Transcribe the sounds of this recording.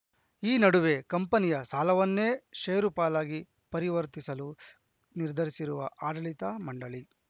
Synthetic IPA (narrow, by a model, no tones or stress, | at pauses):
iːnɐɽuʋe̞kɐmpɐnijɐsaːlɐʋɐnːe̞ːʃɐjɐɾupaːlaːɡi | pɐɾiʋɐɾt̪isɐlu | niɾd̪ʱɐɾisiɾuʋɐʔaːd̪ɐlit̪ɐmɐɳɖɐɭi